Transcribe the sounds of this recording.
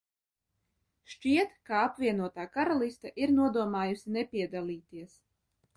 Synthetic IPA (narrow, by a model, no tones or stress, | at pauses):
ʃt͡ʃiɛt̪kaapvʲiɛnuɔt̪aːkaɾalˠist̪aʔiɾnuɔd̪uɔmaːjusinɛpʲiɛd̪alʲˠiːt̪iɛs